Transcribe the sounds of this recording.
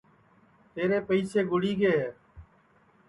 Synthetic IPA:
t̪eːɾeːpəiːseːɡʊɽiːɡeːeː

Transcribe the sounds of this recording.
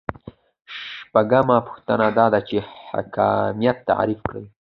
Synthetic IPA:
ʃpaɡamapʊ̥xt̪ənad̪ɑd̪at͡ʃeha̰kɑ̰mijat̪ːa̰ʕ̰ɾifkɽa̰wi

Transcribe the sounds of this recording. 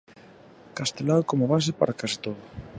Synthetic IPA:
kast̪elaðokomoβas̬ɪpa̰ɾakasi̥t̪oðʊ

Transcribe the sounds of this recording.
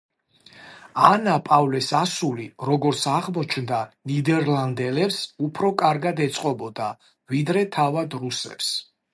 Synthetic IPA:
anapʼavlɛsasuliɾɔɡɔɾt̪sʰaʁmɔt͡ʃʰnd̪anid̪ɛɾlˠand̪ɛlɛpsupʰɾɔkʼaɾɡad̪ɛt̪sʼqʼɔbɔd̪a | vid̪ɾɛt̪ʰavad̪ɾusɛ̰ps

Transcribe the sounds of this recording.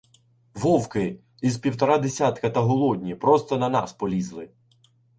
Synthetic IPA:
ʋɔwkɪ | izpʲiwt̪ɔɾɑd̪esʲat̪kɐt̪ɐɦɔlˠɔdʲnʲipɾɔst̪ɔnɐnɑ̰spɔlʲizlˠɪ

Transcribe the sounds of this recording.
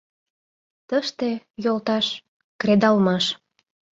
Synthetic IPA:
t̪əʃt̪ejolt̪ɑʃ | kred̪ɑlmɑʃ

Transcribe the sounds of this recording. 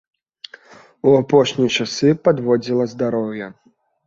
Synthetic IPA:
uapɔʂnʲijt͡ʂasɨpad̪vɔd͡zʲilˠɐzd̪aɾɔwjɐ

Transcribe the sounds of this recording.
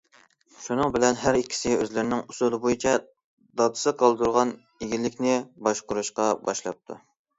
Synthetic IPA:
ʃunɨŋbɪlɛnɦæɾikʲʰːi̥sɪøzlɪɾnɪŋusulˠɨbojit͡ʃʰɛ | d̪ɑd̪ɨ̥sɨqʰɑlˠd̪uɾʁɑn | eɡʲilːɪkʲnɪbɑʃqʊɾuʃqɑbɑʃlˠɑp̚t̪ʰṵ

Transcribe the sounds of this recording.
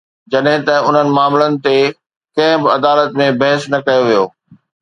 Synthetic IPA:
d͡ʑɐɗɦɪ̃t̪ɐʊn̤ənɪ̆maːmlənɪ̆t̪e | kɐ̃ɦɪ̃bɪɐd̪aːlət̪mẽbɐɦɪsnɐkɐjoʋijoː

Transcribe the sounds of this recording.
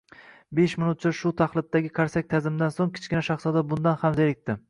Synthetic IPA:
beʃmɪnʊt̪̚t͡ʃʰɪʃʊt̪ʰaχlˠɪt̪ːaɡʲɪkʰaɾsak̚ʲt̪ʰazɪmd̪ansoŋkʲʰɪ̥t͡ʃkʲɪnaʃaχsɒd̪abʊnd̪anhamzeɾɪk̚ʲt̪ɪ

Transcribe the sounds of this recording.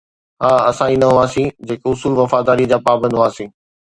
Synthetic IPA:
ɦaːɐsãːinɐɦʊaːsĩd͡ʑeːkʊsuːlʋɐfaːd̪aːɾid͡ʑaːpaːbə̃nd̪ʱaːsĩː

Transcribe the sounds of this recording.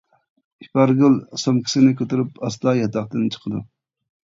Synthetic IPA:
ipɑɾɡʲylˠsomkʲɪ̥sɪnɪkʲʰøt̪yɾypɑslˠɑːjɑt̪ɑχt̪ɨnt͡ʃʰə̥qʰəd̪u

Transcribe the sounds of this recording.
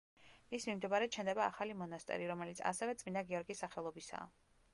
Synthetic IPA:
ismimd̪ɛbaɾɛt͡ʃʰɛnd̪ɛbaːχalimɔnast̪ʼɛ̰ɾiɾɔmɛlit̪sʰa̰sɛvɛt̪sʼmind̪aɡiɔɾɡisːaχɛlˠɔbisa̰ː

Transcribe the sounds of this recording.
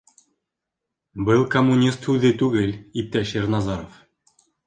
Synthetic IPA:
bɘlˠkomːunʲist̪hʉðɘt̪ʉɡɘlip̚t̪æʃeɾnɑzɑɾof

